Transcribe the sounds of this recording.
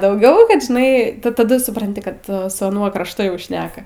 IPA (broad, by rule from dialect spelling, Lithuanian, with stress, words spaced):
dɐʊˈɡʲɛʊ ˈkɐt ʒʲɪˈnɐɪ tɐˈdʊ sʊprɐnʲˈtʲɪ kɐt sʊ ɐˈnuɔ krɐʃˈtʊ jɛʊ ˈʃʲnʲæːkɐ